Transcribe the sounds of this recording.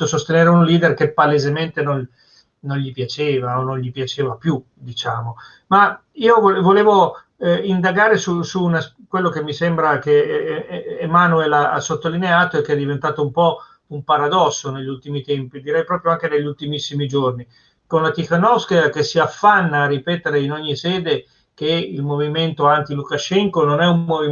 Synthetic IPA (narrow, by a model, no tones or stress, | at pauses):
osost̪eneːɾeunliːd̪erkepːalezement̪enon | noɲʎipjat͡ʃeːvaonːõnʎipjat͡ʃeːvapju | d̪it͡ʃaːmo | ma | iːovovoleːvo | ind̪aɡaːɾesusuːnas | kwelːokemːisembɾakeː | maːnuelaa̰sot̪ːolineaːt̪oɛkːeɛd̪ivent̪aːt̪oumpɔ | umpaɾad̪ɔsːoneʎːult̪imit̪ɛmpid̪iɾɛjpɾɔːpɾjoaŋk̟eneʎːult̪imisːimid͡ʒorni | konlat̪ikanɔskek̟esːiafːanːaːrːipɛːt̪eɾeinoɲːisɛːd̪e | k̟eḭlmoviment̪oant̪ilukaʃɛŋkononɛumːovi